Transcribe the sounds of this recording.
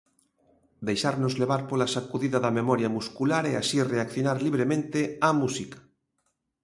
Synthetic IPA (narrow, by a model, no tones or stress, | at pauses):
d̪ejʃaɾnozleβ̞aɾpolasakuðiðaðamemɔɾjamuskulaɾeasireakθjonaɾliβ̞ɾemẽnt̪eamusikḁ